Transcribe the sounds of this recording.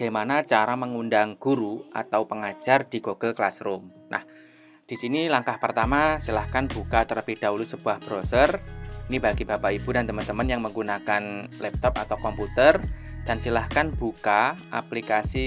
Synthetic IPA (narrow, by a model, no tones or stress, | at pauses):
aɡ̥amanat͡ʃaɾaməŋundaŋɡ̥uɾuʔa̰t̪awpəŋḁd͡ʒ̥ard̥iɡoɡ̥əlklasɾʊm | nʔa̰h | d̥isinilaŋkahpərt̪amasilahkanb̥ukat̪əɾəpid̥aulusəb̥uahb̥ɾosərinibaɡib̥a̤paib̥udant̪əmənt̪əmənjaŋməŋɡunakanlɛp̚t̪ɔpa̰t̪awkɔmput̪ərd̥ansilahkanb̥ukaʔa̰plikasi